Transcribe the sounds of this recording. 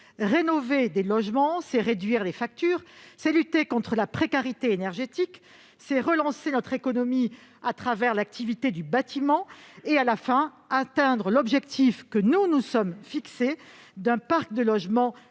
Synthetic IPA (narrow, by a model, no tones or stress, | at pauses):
ʁenɔved̪elɔʒmɑ̃sɛʁed̪ɥiʁlefak̚t̪yːʁsɛlyt̪ekɔ̃t̪χəlapχekaʁit̪eenɛʁʒet̪ik | sɛʁəlɑ̃senɔt̪χekɔnɔmi | at̪χavɛʁlak̚t̪ʰivit̪ed̪ybat̪ʰimɑ̃ealafɛ̃ | at̪ɛ̃d̪ʁəlɔbʒɛkt̪ʰifkənunusɔmfiksed̪ɛ̃paʁk̚d̪əlɔʒmɑ̃